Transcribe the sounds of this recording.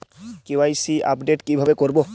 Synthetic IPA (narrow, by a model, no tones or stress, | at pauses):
kiwajsiʔa̰pɖeʈkibʱabekoɹibɔ